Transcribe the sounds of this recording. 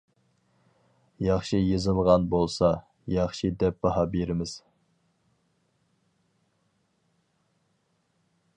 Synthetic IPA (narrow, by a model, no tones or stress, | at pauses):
jɑχʃijɨzɨlˠʁɑnbolˠsɑ | jɑχʃid̪ɛp̚b̥ɑɦɑbeɾɪmɪz̥